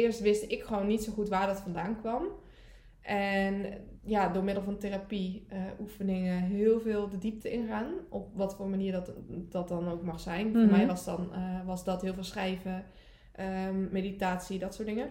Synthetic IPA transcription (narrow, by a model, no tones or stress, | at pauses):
ɪːəɹstʋɪstɪkχəʋownːitsowχutʋaːɹdɑtfɑndaːnkʋɑm | ʔɛnjadʊːɹmɪdəl̩ˠvɑnterapiəʔufənɪŋəɦɪːlˠvɪːlˠdədip̚təʔɪnχaːnʔɔp̚ʋɑtfoːɹmaniːdɑt̚dɑnowkmɑχsɛjnfoɹmɛjʋɑsdɑnʋɑsdɑtɦɪːlˠvɪlˠsχrɛjvə | ʔəmejditaːtsidɑtsʊːɹtdɪŋə